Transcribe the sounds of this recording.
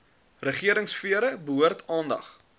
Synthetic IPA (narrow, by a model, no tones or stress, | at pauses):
rəχiəɾəŋsfiəɾəbəɦuərtʰɑːndɐ̰χ